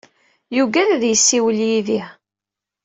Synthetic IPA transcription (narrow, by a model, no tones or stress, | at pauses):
juɡæɾæðjəsːiwəljiði